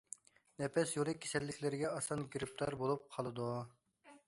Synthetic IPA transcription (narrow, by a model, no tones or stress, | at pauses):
nɛpɛsjolˠɨkʲʰːe̥sɛlːɪkʲlɪɾɪɡʲɛɑsɑnɡʲiɾɪp̚t̪ʰɑɾbolˠup̚qʰɑlˠɨd̪u